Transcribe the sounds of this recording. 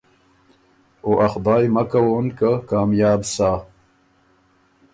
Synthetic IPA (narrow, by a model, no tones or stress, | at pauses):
oʔɐxd̪ɑːjmɐkawonkakaːmjaːbsaː